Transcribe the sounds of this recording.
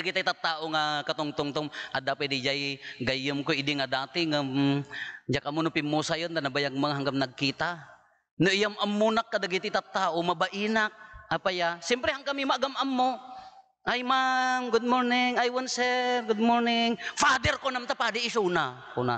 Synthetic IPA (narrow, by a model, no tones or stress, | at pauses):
aɡit̪at̪at̪ːaːʔoŋakat̪ʊŋt̪ʊŋt̪ʊŋʔad̪apwɛd̪ɪd͡ʒajɡajʊmkoɪd̪ɪŋad̪aːt̪ɪŋa | d͡ʒakʔamʊnʊpɪmːusajont̪anabajaɡ̚maŋɦaŋɡamnɐɡ̚kiːt̪a | noʔɪjamʔamːunakːad̪aɡit̪ɪt̪at̪ːaːʔomabaʔiːnak̚apajasɛmpɾɛhaŋkamimaʔaɡamʔamːo | ʔajmaŋɡʊd̪̚moɾnɪŋajwansɛɾɡʊd̪̚moɾnɪŋfad̪ɛɾkonamt̪apaːd̪ɪɪsunakʊna